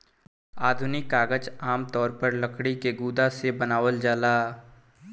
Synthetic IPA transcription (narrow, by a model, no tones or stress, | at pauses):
aːd̪ʱʊnɪkːaːɡəd͡ʒaːmt̪ɔːɾpəɾləkʰɽikeɡuːd̪asebənaːʋəld͡ʒaːlaː